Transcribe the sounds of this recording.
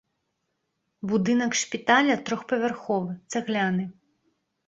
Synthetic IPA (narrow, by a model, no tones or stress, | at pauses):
bud̪ɨnɐkʂpʲit̪alʲɐt̪ɾɔxpɐvʲɛrxɔvɨt̪sɛɣlʲanɨ